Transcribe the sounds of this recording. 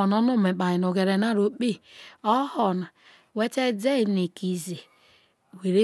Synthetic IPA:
nɔ˦nu˦˨me˨k͡pa˨ɲi˨no˨ɡe˨ɾe˨na˦ɾo˨k͡pe˦ɔ˦hɔ˨na˨ | we˦te˦d͡ze˦˨ne˨ki˨ze˨ | we˨ɾe˦

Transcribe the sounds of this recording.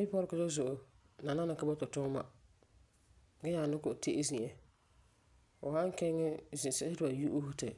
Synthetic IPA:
i˦pɔ˦ɾɪ˨kʊ˨ɔ˦zʊ˨ʔo˨ | na˨na˦na˨ka˦bɔ˦tʊ˨tʊ˦ma̰˨ | ɡɛ˦ɲa˨nʊ˦kʊ˨te˦ʔzi˨ʔɛ˨ | ʊ˨hã˦ŋ˦kɛ˦ŋɪ˦zɪ˨sɪ˦ɪ˦tʊ˨ba˨ju˦ʔu˦hʊ˦tɪ˨

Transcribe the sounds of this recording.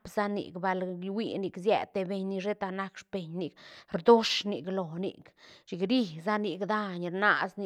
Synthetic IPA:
pz̥a˦nḭ˨kba˧lwi˧ni˧kzjɛ̰˧t̪e˧be˧ɲni˧ʐe˦t̪a˧na˧kʂpe˨ɲni˧kɾd̪o˦ʂni˧klo˨nḭ˨kt͡ʃi˨kɾi˦˧za˦ni˧kd̪a˧ɲɾna˧sni˧

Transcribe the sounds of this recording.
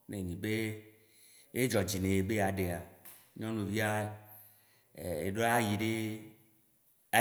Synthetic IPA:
ne˨ɲĩ˨be˦ | e˦d͡ʒɔ˨d͡ʑi˨nẽ˨e˨be˦a˨ɖe˨a˨˦ | ɲɔ̃˦nũ˨vi˦a˦˨ | ḛ˨ɖo˦a˦ji˨ɖe˦ | a˨

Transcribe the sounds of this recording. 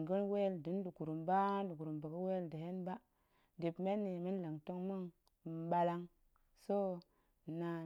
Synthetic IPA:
ɡə˦nwe˦˨ldi˨n˦du˨ɡu˨ɾu˨mba˦du˨ɡu˨ɾu˨mbə˨ɡə˦we˦ldə˨ɦe˦nba˦ | di˨pme˦nːi˨mi˦nlə˨ŋto˦ŋmi˦ŋ˨ | ɓa˧la˦ŋ | so˦˨ | na˨

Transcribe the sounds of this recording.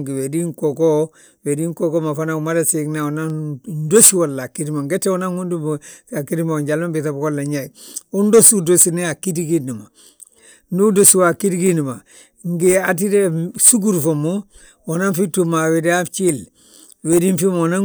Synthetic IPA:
ŋɡi˨we˨di˦ŋko˨ko˦ | we˨di˦ŋko˦ko˦ma˨fa˦na˨ma˦da˨siknawona˦ndo˦si˦wo˨lːa˨ki˦di˦ma˨ŋɡe˦tːe˦wo˦na˦ŋu˦ndu˦ma˨ki˦di˦ma˨ɲɟa˨lma˦bi˨tabko˦lːa˨ɲa˨ju˦ndo˦sudosi˦nea˨ki˦diɡi˦ni˨ma˨ | nu˦dosi˨wa˨ki˦tɡi˦ni˨ma˨ | ŋɡia˨t̬i˦de˦su˦ɡu˦ɾfomu | wo˨na˦nfi˦tːuma˨we˨da˦t͡ʃi˦l | we˨di˦nfi˦ma˨na˦

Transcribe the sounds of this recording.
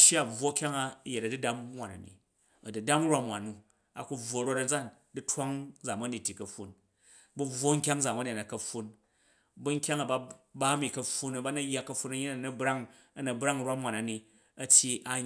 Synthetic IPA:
ʃja˦˨b͡vwo˦kʲa˦ŋa˦˨je˨tɐ˨du˦da˦m˦mʷa˨na̰˨nḭ˨ | ɐ˨du˨da˦m˦ɾʷa˦mwa˨nu˨ | a̰˨ku˦b͡vwo˨ɾo˧tɐ˦d͡za˦˨n | du˦tʰwa˦ŋ˦d͡za˨mɐ˦ni˨tʲːi˨kɐ˨ɸːu˨n | bu˦b͡vʷwo˦ŋ̩˦kʲa˦ŋd͡za˨ma˦ni˨nɐ˨kɐ˨ɸːu˧n | bu˦ŋ̩˦kʲa˦ŋa˨ba˧ba˦mi˨kɐ˧ɸu˦nɐ˦ba˦nɐ˦jːa˦kɐ˦ɸːu˧˦nɐ˦ɲi˦na˨nɐ˦bɾa˦ŋ | ɐ˨nɐ˨bɾa˦ŋ˨ɾwa˦mʷ˦a˨na˨ni˨ | ɐ˦tʲji˧a˦

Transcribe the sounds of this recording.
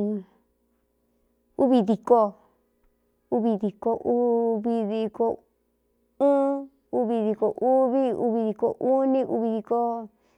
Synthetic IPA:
u˦βi˧ði˧ko˧ | u˦βi˧ði˨ko˧ʔu˦βi˧ði˧ko˧ | ɨ̃ː˦ | u˦βi˧ði˧ko˨˧ʔu˦βi˦ṵ˧˦βi˧ði˧ko˨ʔu˦nĩ˦ʔu˧βi˧ði˧ko˧

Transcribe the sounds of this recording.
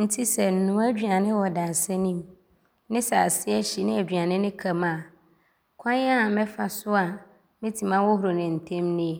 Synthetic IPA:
n̩˦tʰi˦sɛ˨n̩˨nũ˨˦æ˦d͡ʑᶣɥa˨nɪ̃˦wɔ˨daː˨sɛ˦nĩ˦m | nɪ̃˦sa˨a˨sɪ˦ɛ˦ɕi˨nɪ̃˦æ˨dᶣɥa˨nɪ̃˦nɪ̃˦kʰa˨mã˨ | kʷʰã˦ɲ˦a˦˨mɛ̃˦fa˨sʊ˦a˨ | mɪ̃˦tʰi˨mã˦wɔ˦hʊ˨ɾo˨nɪ̃˨n̩˨tʰɛ̃˦mnɪ̃˦

